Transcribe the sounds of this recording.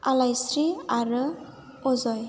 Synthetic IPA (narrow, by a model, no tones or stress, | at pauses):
alajsɾiaɾɯ | ɔzɔj